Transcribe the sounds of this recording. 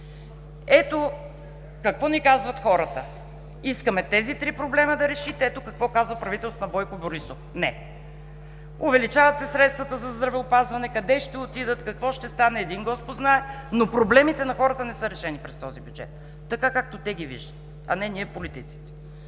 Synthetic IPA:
ɛt̪o | kɐkvɔnikazvɐt̪xɔɾət̪ə | iskəmɛt̪ɛzit̪ɾipɾoblɛməd̪ɐɾɛʃit̪ɛɛt̪okɐkvɔkazvəpɾɐvit̪ɛlsnɐbɔjkʊboɾisofnɛ | ʊvɛlit͡ʃavɐt̪sɛsɾɛt̪st̪vɐt̪əzɐzd̪ɾɐvɛʊpazvɐnɛkɐd̪ɛʃt̪ɛot̪id̪ət̪kɐkvɔʃt̪ɛst̪anɛːd̪iŋɡɔspʊd̪znaɛnopɾoblɛmit̪ɛnɐxɔɾət̪ənɛsɤɾɛʃɛnipɾɛst̪ɔzibʲjud͡ʒɛ̰t̪ː | ɐkakak̚t̪ot̪ɛɡ̟ivḭʒd̪ə̥t̪ɛɐ̰nɛniɛpolit̪it̪si̥t̪ɛ̥

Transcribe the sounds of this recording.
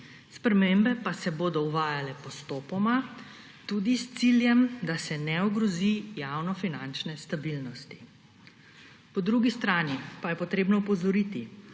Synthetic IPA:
spɾɛmembɛpasɛboːd̪ɔuʋaːjalɛpɔst̪oːpɔma | t̪ud̪ist̪siljɛmd̪asɛnɛɔɡɾɔzijaːwnɔfinant͡ʃnɛst̪abilnɔst̪i̥ | pɔd̪ɾuɡist̪ɾaːnipajɛpɔt̪ɾeːbnɔpɔzɔɾiːt̪i

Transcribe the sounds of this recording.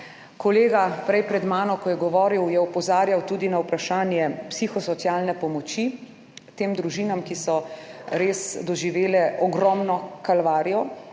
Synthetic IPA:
kɔleːɡapɾɛjpɾɛd̪maːnɔkɔjɛɡɔʋɔːɾiwjɛɔpɔzaːɾjawt̪uːd̪inawpɾaʃaːnjɛpsiːxɔsɔt̪sjaːlnɛpɔmɔt͡ʃi | t̪eːmd̪ɾuʒiːnamkisɔɾeːsd̪ɔʒiʋeːlɛʔɔɡɾɔmnɔkalʋaːɾijɔ

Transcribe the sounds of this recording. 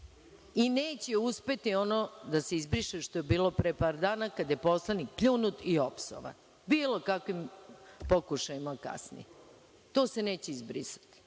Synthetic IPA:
ineːt͡ɕe̞uspe̞t̪io̞nod̪aseizbɾiʃeʃt̪o̞jebiːlo̞pɾepaːɾd̪aːnakad̪je̞poslanik̚pʎunut̪iopso̰ʋa̰n | biːlˠo̞kakʋimpokuʃajimaka̰snḭje | t̪o̞ːse̞ne̞ːt͡ɕeizbɾisḁt̪i̥

